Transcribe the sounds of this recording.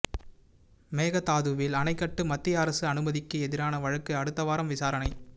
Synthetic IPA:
meːɣɐt̪aːðɯʋɪlɐnɐɪkːɐʈːɯmɐt̪ːɪjaːɾɐsɯɐnɯmɐðɪkːɯɛðɪɾaːnɐʋɐɻɐkːɯɐɽɯt̪ːɐʋaːɾɐmʋɪsaːɾɐnɐɪ

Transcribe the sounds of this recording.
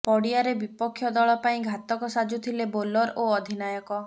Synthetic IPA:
pɔɽiaɾebipɔkʰːjɔd̪ɔɭɔpaĩɡʱat̪ɔkɔsad͡ʒut̪ʰilebolɔɾoɔd̪ʱinajɔkɔ

